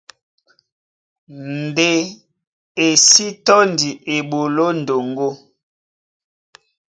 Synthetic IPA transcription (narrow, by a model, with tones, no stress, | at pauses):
n˨de˨ | e˨si˦tɔ˦ndi˨ʔe˨ɓo˨lo˦n˨do˨ŋɡo˦